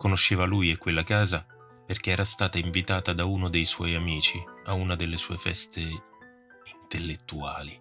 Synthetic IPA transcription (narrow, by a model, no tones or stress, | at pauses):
konoʃːeːvaluːjekwelːakaːza | perk̟eɛːɾast̪aːt̪aiɱvit̪aːt̪ad̪auːnod̪ejswɔjamiːt͡ʃiaunad̪elːesuːefɛ̰st̪e | int̪elːet̪ːuaːli